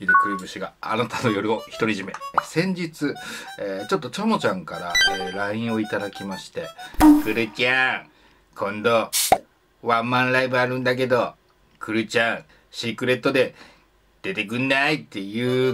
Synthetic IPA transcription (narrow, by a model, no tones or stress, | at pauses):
iɾɯ̟kɯ̟ɾɯ̟bɯ̟ɕiɡaːnat̪ano̞jo̞ɾʲɯo̞çi̥t̪o̞ɾʲiʑime̞sẽ̞ɲ̟d͡ʑit͡sɨeːt͡ɕo̞t̪ːo̞t͡ɕomo̞t͡ɕãŋkaɾaeɾaĩɰ̃o̞it̪ad̪akʲimaɕi̥t̪e̞kɯ̟ɾɯ̟t͡ɕʲa | kʰõ̞nd̪o̞ | βãmmːãnɾaibɯaɾɯ̟̃nd̪ak̬e̞d̪o̞ | kʰɯ̟ɾɯ̟t͡ɕãŋ̃ | ɕikɯ̟ɾe̞t̪ːo̞d̪e̞ | d̪̥e̞t̪e̞kɯ̟nːait̪ːe̞jɯ̟ː